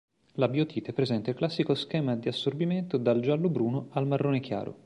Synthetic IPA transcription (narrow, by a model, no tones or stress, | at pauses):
labiot̪ʰiːt̪epɾezɛnt̪ailklasːikoskɛːmad̪iasːorbiment̪od̪ald͡ʒalːobɾuːnoalmarːoːnek̟ja̰ːɾʔo̰